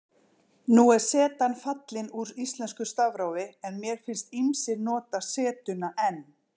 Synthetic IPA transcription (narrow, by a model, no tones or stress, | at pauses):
nuɛɾ̥sɛːt̪anfat̪lɪnuɾist̪lɛnskʏst̪avɾaːwvɪɛnmjɛɾ̥fɪnst̪imsɪɾnɔːt̪asɛːt̪ʏnaʔɛnː